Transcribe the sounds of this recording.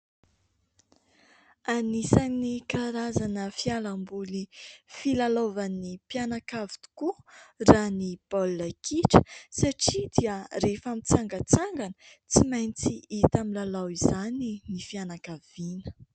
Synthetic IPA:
anisaninikaɾazanəfialambulifilalovanipianakavit̪u̥kuranib̥olːakʰiʈ͡ʂə̥saʈ͡ʂid̪iaɾefamit͡saŋɡət͡saŋɡanə̥t͡simajnt͡siit̪amilalawizaninifianakav̥inə̥

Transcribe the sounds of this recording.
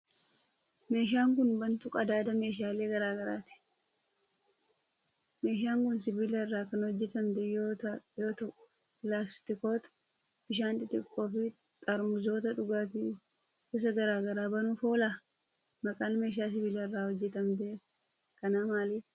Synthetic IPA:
me̞ːʃ̬aːŋk̬ʊnbɐnt̪ʊkʼɐd̪aːd̪ɐme̞ːʃ̬aːle̞ːɡɐɾaːɡɐɾa̰ːt̪ɪ̥ | me̞ːʃaːŋkʊnsɪbilɐrːaːkɐnhɔd͡ʒːɛt̪ɐmd̪ɛjoːt̪joːt̪ɐʊ | laːsst̪ɪko̞ːt̪ | b̥ɪʃaːnt̪ʼɪt̪ʼɪkʼːo̞ːfɪ | t̪ʼɐɾmʊzo̞ːt̪ɐᶑʊɡaːt̪̬ɪ | kʊs̬ɐɡɐɾaːɡɐɾaːbɐnʊfo̞ːla | mɐkʼaːnme̞ːʃ̬aːs̬ɪbilɐrːaːhɔd͡ʒːɛt̪ɐmd̪e | kɐnaːmaːli

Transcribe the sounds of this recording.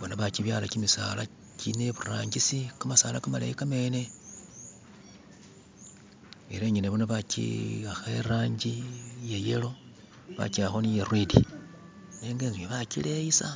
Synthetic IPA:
βonaβaciβjalakimisaːla | cineβuraːɲɟisikamasaːlakamala̰ikame̞ːne̞ | eɾeɲineβonoβacḭaxeeɾaːɲɟijejelo̞ | βa̰ciaxonijerwidḭ | neːŋɡeŋziweβakileisa

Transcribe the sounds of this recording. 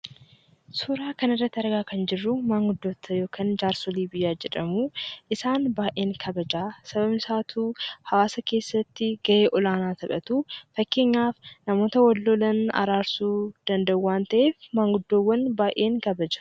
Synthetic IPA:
suːɾaːkɐnɪrːɐt̪ːɪɐɾɡaːkɐnd͡ʒɪrːʊmaːŋɡʊd̪ːo̞ːt̪ʰːɐjo̞ːkʰɐnd͡ʒaːɾsɔliːbɪjːaːd͡ʒɛᶑɐmuːʔɪsaːnbaːʔe̞ːŋkʰɐbɐd͡ʒaːsɐbɐbnɪsaːt̪ʰuːhɐwaːsɐke̞ːsːɐt̪ːɪɡ̥ɐʔe̞ːʔɔlaːnaːt̪ʰɐkʼɐt̪uːfɐkːe̞ːɲːaːfnɐmo̞ːt̪ɐwɐlːoːlɐnɐ̰ɾaːɾsuːd̪̥ɐnd̪ɐʊwaːnt̪ɐʔe̞ːfmaːŋɡʊd̪ːoːwːɐnbaːʔe̞ːŋkɐbɐd͡ʒɐ̥

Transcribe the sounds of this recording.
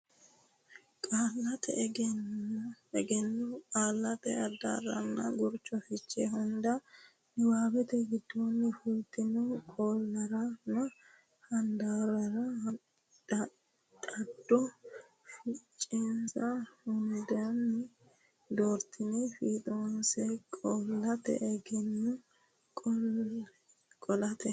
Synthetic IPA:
kʼaːlːɐt̪ʰɛʔɛɡɛn | ɛɡɛnːʊkʼaːlːɐt̪ɛɐd̪a̰ɾɐ̰nːɐ̰ɡʊɾt͡ʃːɔfɪt͡ʃːɛɦʊnd̪ɐ | nɪwaːbɛt̪ɛɡɪd̪ːonːɪfʊlt̪ːɪnɔkʼoːlːɐɾɐnːɐ | hɐnd̪aːɾɐɾɐh | tʼɐd̪ːɔ | fɪt͡ʃʼːɛnsɐhʊnd̪ɐnːɪ | d̪oːɾt̪ːɪnɛfiːt̪ʼonsɛkʼɔlːɐt̪ɛ̰ʔɛɡɛnːʊ | kʼɔ | kʼɔlɐt̪ɛ

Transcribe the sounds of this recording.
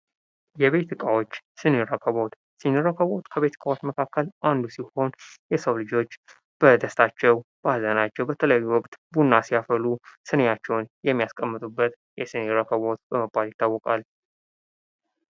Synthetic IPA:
jɛβe̞t̪ʰɨkʼawot͡ʃːsɨnɨɾəkʰəβot̪ | sɨniɾəkʰəβot̪kʰəβe̞t̪ɨ̥kʼawo̞t͡ʃːməkʰakːəlʔand̪usiho̞njɛsəwlɨd͡ʒo̞t͡ʃː | b̥əd̪əst̪ʰat͡ʃːɛwbazənat͡ʃːɛwbət̪ʰələjajːuwɔkʼt̪bunːasijafəlusɨnejat͡ʃːɛwnjɛmːijaskʼəmːɨt̪ʼubːət̪ | jɛsɨniɾəkəβot̪̚b̥əməbːaljɪt̪ʰːawːɔkʼal

